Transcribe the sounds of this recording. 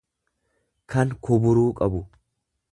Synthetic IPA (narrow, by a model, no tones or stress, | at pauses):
kɐŋkʊbʊɾuːkʼɐbʊ